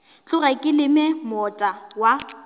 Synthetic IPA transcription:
t͡ɬʼʊrɛkʼɪlɪmɛmɔtʼawa

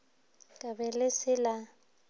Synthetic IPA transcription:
kʼabɛlɪsɪla

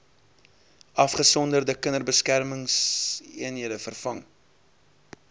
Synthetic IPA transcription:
ʔɐfχəsɔndərdəkənərbəskærməŋsiənɦiədəfərfɐŋ

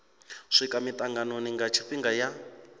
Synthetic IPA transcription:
ʂikʼamit̪ʼaŋɡanoniŋɡat͡ʃʰiɸiŋɡaja

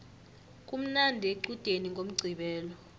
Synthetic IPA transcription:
k̬ʼum̩nandʱeǃud̥ʱeniŋɡʱʼom̩ɡ͡ǀʱiɓɛːlɔ

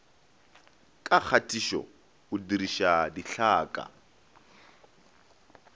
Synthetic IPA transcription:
kʼak͡xʰatʼiʃɔ̰ | ʊdiɾiʃadiɬaːkʼa̰

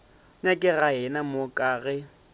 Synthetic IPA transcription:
ɲakʼɪɣaɦɪnamʊkʼaːɣɛ

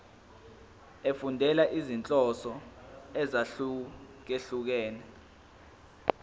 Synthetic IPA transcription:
efundʱɛlaʔizint͡ɬʼɔsɔɛzauk̬eɬuk̬ɛːnɛ

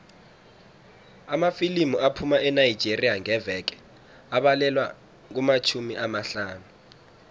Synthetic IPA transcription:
amafilimuapʰumaʔɛnaji̥d͡ʒʱerijaŋɛvɛk̬ɛ̥ | aɓalɛlwa | k̬umat͡ʃʰumiʔamaɬaːnu

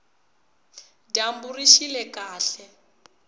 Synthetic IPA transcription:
damburiʃilɛkaːɬɛ

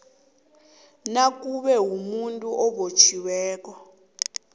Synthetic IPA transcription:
nak̬ʼuɓɛwumuntʼuʔɔɓot͡ʃʰiwɛːk̬ʼɔ

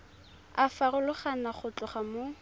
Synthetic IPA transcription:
afarʊlʊχanaχʊt͡ɬʊχamo

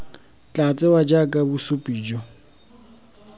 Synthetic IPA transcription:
t͡ɬʼat͡sʼɛwad͡ʒakʼabusʊpʼiːd͡ʒɔ

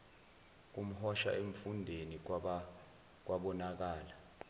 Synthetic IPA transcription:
k̬um̩hɔʃa̰ʔeɱfundʱeni | k̬wʔaɓɔnak̬aːla

